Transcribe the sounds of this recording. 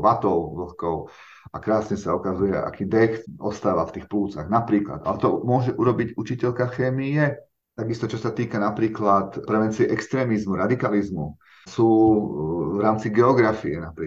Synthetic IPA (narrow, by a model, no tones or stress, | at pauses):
ʋat̪ɔʊʋl̩xkɔʊ | ʔakɾaːsɲɛsaukazujɛʔa̰kiːd̪ɛxɔst̪aːʋaft̪iːxpluːt͡sa̰ɣnapɾiːkla̰d̪a̰lɛt̪ɔmʊɔʒɛʔuɾɔbiɟut͡ʃicɛʎkaxɛːmijɛ | t̪aɡist̪ɔt͡ʃɔsat̪iːkanapɾiːklat̪pɾɛʋɛnt͡siɛʔɛkst̪ɾɛːmizmuɾad̪ikalizmu | suː | vɾaːmt͡siɡɛɔɡɾafiɛnapɾi